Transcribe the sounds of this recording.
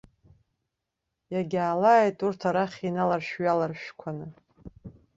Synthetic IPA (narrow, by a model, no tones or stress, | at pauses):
jaɡʲaːlaːjtʼurtʰaɾaχʲinalarʃᶣɥalarʃᶣkʷʰanɨ